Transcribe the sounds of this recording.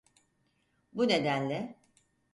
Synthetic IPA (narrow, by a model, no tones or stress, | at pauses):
bune̞d̪ænlʲɛ